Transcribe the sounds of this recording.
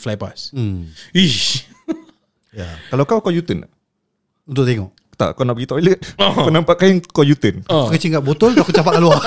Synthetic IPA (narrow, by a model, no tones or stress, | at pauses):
flajpa̰s | i | jakalawkawkojut̪ən | unt̪ʊʔ̚t̪eŋɔ̰ʔ | t̪a̰ʔkawnaʔbəɡit̪ɔjlət̪̚pənampaʔkajaŋkojut̪ənpəkət͡ʃiŋɡaʔbot̪ʊlt̪akuapaʔkalua